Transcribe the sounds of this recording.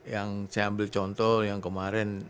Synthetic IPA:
jaŋsajambɪlt͡ʃɔnt̪ɔjaŋkəmaɾɛn

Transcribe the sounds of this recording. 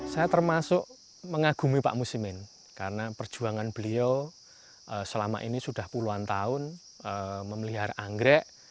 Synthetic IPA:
sajat̪ərmasʊʔ | məŋaɡ̥ṳmipa̰ʔmusimɪn | kaɾənapərd̥ʒ̥ṳaŋanb̥əlio | ʔəsəlama̰ʔḭnisud̥ahpuluant̪aʊn | əməmliɦaɾaŋɡɾɛʔ

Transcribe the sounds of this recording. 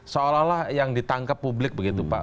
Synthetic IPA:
soolahlahjaŋdit̪aŋkapːublɪk̚bəɡit̪upa̰

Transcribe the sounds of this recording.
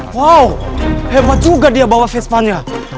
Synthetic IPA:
wawhemat͡suɡadiabawafespania

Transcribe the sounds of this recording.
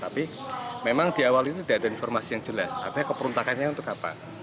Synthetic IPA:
t̪api | memaŋd̪̥iawalit̪ut̪idaadainfɔrmasijaŋd͡ʒəlasa̰d̥akəpəɾunt̪akanɲaunt̪ʊkapa̰

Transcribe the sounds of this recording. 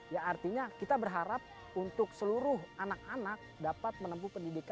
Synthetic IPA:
jaːrt̪iɲakit̪abərɦaɾap̚ | unt̪ʊksəluɾʊɦanak̚anak̚dapat̪̚mənəmp̬upəndidika

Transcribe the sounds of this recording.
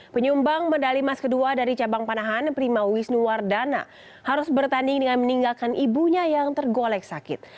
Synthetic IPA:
pəɲumbaŋmədalimaskəduadaɾit͡ʃabaŋpanaɦanpɾimawisnuwardana̰ | haɾʊsbərt̪andɪŋdəŋanməniŋɡalkanʔibuɲajaŋt̪ərɡolɛk̚sakɪt̪̚

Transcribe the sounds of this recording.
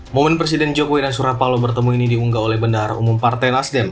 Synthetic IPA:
momɛnpɾes̬idɛnd͡ʒokowidansuɾapalobərt̪əmuinidiuŋɡaolɛhbəndarṵmumpart̪ajnasdɛm

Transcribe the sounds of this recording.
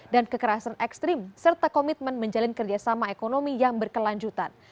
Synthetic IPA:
dankəkəɾasanɛkst̪ɾɪmsərt̪akomit̪̚mənməɲd͡ʒalankərd͡ʒasamaekonomijaŋbərkəlaɲd͡ʒut̪an

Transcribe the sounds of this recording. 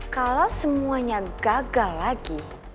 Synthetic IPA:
kalawsəmuaɲaɡaɡallːaɡi

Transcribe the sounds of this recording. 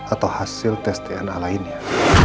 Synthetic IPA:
ʔat̪awhasilt̪ɛst̪ɛanalainia

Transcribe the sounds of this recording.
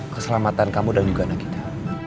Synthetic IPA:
kəsəlamat̪ankamudand͡ʒuɡanaki̥t̪a

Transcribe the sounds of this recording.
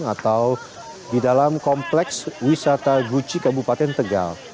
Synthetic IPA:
at̪aw | didalamkɔmplɛkswisat̪aɡut͡ʃikabupat̪ɛnt̪əɡa̰l

